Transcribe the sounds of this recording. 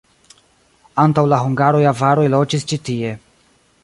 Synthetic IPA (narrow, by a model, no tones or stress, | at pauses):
antawlaɦuŋɡaɾo̞javaɾojlo̞t͡ʃist͡ʃitie̞